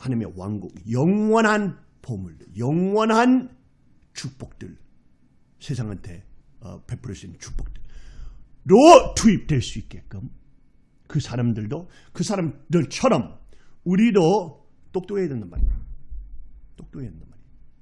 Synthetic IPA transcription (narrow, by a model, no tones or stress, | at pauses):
hanimewaŋɡuŋjʌŋwʌnɦan | pomuɭdɯ̰ɭjʌŋwʌnɦan | t͡ɕuk̚p͈ʌk̚t͈ɯɭ | sʰesʰaŋantʰe̞ʌ̰pepʰɯɾes͈ent͡ɕu̥k̚p͈ʌk̚t͈ɯɭ | ɾotʰuip̚t͈we̞ɭs͈uik͈e̞k͈ɯm | kɯsʰaɾamdɯɭdo | kɯsʰaɾamdɯɭt͡ɕʰʌɾʌmuɾido | t͈ok̚t͈oedendanma̰ɾḭ | t͈ok̚t͈oɦedendanmaɾi